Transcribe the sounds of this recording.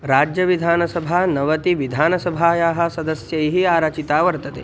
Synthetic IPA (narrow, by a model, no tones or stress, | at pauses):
ɾaːd͡ʒjɐʋid̪ʱaːnɐsɐbʱaːnɐʋɐt̪iʋid̪ʱaːnɐsɐbʱaːjaːɦɐsɐd̪ɐsjɐjɦiaːɾaːt͡ʃit̪aːʋɐɾt̪ɐt̪ḛː